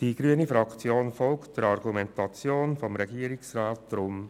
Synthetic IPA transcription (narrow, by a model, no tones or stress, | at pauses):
d̥iːɡ̥ɾyːənifɾɑkt͡sjoːnfɔlktd̥ɛɾɑɾɡumɛntɑt͡sjoːnfɔmɾɛɡiːɾɪksʁaːt̚d̥ɾʊm